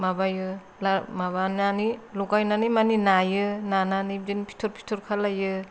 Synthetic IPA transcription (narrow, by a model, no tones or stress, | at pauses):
mabajɯ | lamaβananilukajnanimaninajɯnananid͡ʒinpʰi̥tʰuɾpʰi̥tʰuɾkʰalajɯ